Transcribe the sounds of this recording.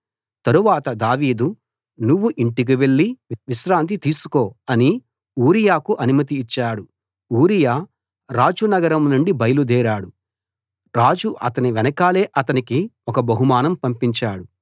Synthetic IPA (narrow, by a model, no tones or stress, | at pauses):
t̪ɐɾuʋaːt̪ɐd̪aːʋiːd̪u | nuʋːuʔiɳʈik̬iʋe̞ɭːiʋiʃɾaːnt̪̬it̪iːsu̥ko̞ːɐni | uːɾijaːkuʔɐnumɐt̪̬iːt͡ʃːaːɽu | uːɾijaː | ɾaːd͡ʒunɐɡɐɾɐmnuɳɖibɐjɐlud̪ɛːɾaːɽu | ɾaːd͡ʒuʔɐ̰t̪ɐniʋɛnɐkaːle̞ːʔɐt̪ɐnikiɔkɐbɐɦumaːnɐmpɐmpiɲt͡ʃaːɽu